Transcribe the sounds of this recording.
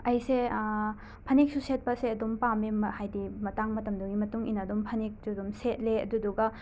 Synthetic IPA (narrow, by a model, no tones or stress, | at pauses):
ɐjse | pʰɐnik̚suset̚pɐseɐdumpamemɐhajdimɐtaŋmɐtɐmduɡimɐtuŋḭnɐdumpʰɐnik̚dudumset̚leɐ̰duduɡɐ